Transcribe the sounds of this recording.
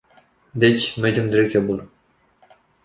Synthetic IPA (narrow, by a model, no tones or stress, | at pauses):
d̪e̞t͡ʃʲmerd͡ʒemd̪iɾek̚t̪sijabunə